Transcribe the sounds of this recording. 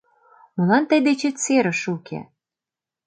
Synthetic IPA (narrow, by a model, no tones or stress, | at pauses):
mɤ̆lɑnt̪əjd̪et͡ɕĕt͡seɾə̆ʃukḛ